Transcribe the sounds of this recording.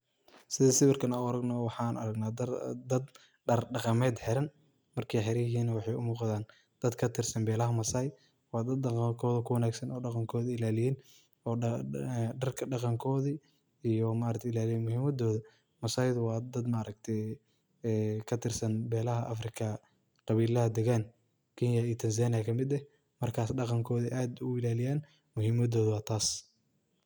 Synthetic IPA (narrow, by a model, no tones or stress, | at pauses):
sɪðɐsɪβɪrkʰɐnɐʊɐɾɐɡnɔwɑħɑːnʔɐ̰ɾɐɡnaːd̪ɐd̪ɐd̪ | ɖɐrɖɑqɑmɛːd̪ħɛɾɐn | mɐrkʰɛjħɛɾɐjɪɦiːnɐwɑħɑjʊmuːqɑðaːn | d̪̥ɐd̪kʰɐt̪ʰɪrsɐnbɛːlɐɦɐmɐsaj | wɑːd̪ɐd̪ɑqɑŋkʰɔːðɐkʰʊwɐnaːɡsɐnɔːɖɑqɑŋkʰɔːðɪɪlaːlɪjɛn | ɔ | ɖɐrkʰɐɖɑqɑŋkʰɔːði | ijɔmaʔɾɐk̚t̪ʰɪlaːlɪjɛːnmʊhiːmɐd̪ɔːðɐ | mɐsaːjðʊwɑːd̪ɐd̪mɐʔːɾɐk̚t̪ʰɛː | kʰɐt̪ʰɪrsɐnbɛːlɐɦɐʔɐ̰frɪkʰɐ | qɑβiːlɐhɐd̪ɛɣan | kʰinjaiːt̪ʰɐns̬aːnɪakʰɐmɪd̪ɛ | mɐrkʰaːsɖɑqɑŋkʰɔːðiʔaːd̪ʊʊɪlaːlɪjaːn | mʊhimɐd̪ɔːðʊwɑːt̪ʰaːs